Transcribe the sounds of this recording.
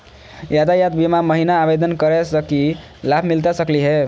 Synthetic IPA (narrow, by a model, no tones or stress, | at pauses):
jad̪ajat̪bimaməɦinaːbed̪ənkəɾɛsəki | labʰʱmilt̪asəkliɦe